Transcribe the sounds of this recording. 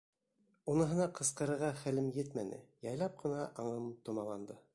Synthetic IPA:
unɤ̆ɦɤ̆nɑqʰɤ̆sqɤ̆ɾɤ̆ɾʁɑχælɘmjɘt̪mænɘ̰jɑjlˠɑp̚qɤ̆nɑʔɑɴɤmt̪ŏmɑlˠɑnd̪ɤ

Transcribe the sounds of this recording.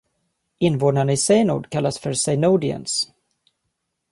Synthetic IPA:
ɪnːvoːd̪aɳəɪsɛjnṵːd̪kʰalːasfœɾsɛnuːd̪ɪə̰ns

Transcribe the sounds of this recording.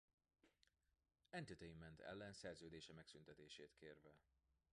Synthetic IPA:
ɛnt̪it̪ejimːɛnt̪ʰɛ̰lːɛnsɛrzøːd̪eːʃɛmɛksynt̪ɛt̪eːʃeːt̪kʰeːrvɛ

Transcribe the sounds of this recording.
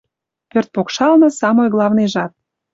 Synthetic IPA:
pørt̪̚pokʃɑlnə̆sɑmojɣlˠɑvnejʒɑt̪̚

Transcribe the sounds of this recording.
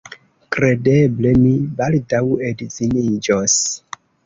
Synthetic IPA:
kɾedeblemibaldawedzinid͡ʒos

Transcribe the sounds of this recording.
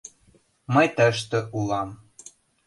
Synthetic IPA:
məjt̪əʃ̬t̪ə̆ʔulɑm

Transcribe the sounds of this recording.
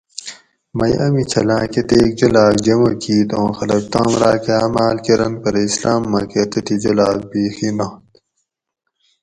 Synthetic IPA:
mɐjɐmit͡ɕʰɐlãːket̪eːk̚d͡ʑɐlaːkd͡ʑɐmɐkʰiːt̪õːxɐlɐk̚t̪ãːnɾaːkeaːmaːlkeɾɐnpɐɾɐislaːmːɐket̪ɐt̪ʰid͡ʑɐlaːk̚biːxinot̪

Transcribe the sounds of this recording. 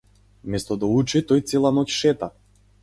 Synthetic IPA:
mɛst̪ɔd̪aut͡ʃit̪ɔjt̪sɛlˠanɔcʲʃɛt̪a

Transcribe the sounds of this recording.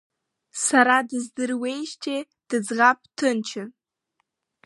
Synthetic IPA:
saɾadɨzdɨrwe̞jʃtʲʰe | d̥ɨd͡zʁap̚ʼtʰɨnt͡ʃʰɨ

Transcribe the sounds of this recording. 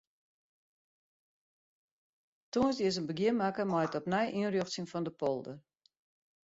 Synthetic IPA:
toənsdiəs̬ənbəɡjiəmakəmɔjətɔpnɛjʔiənrjoxtsinfɔndəpɔlˠdə

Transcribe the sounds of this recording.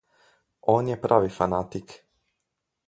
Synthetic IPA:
oːnjepɾʔaːʋifanat̪ik

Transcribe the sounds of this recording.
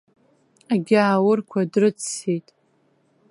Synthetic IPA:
aɡʲaːwʊrkʷʰadrɨt͡sʰːejtʼ

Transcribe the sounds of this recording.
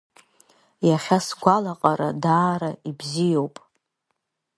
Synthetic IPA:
jaχʲasɡʷalaqʼaɾadaːɾaibzijowpʼ

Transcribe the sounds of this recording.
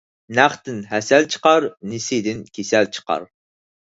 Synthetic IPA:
næχt̪ɪnɦɛsɛlt͡ʃʰə̥qɑɾnɪsɪd̪ɪnkʲʰesɛlt͡ʃʰə̥qɑ̰ɾ

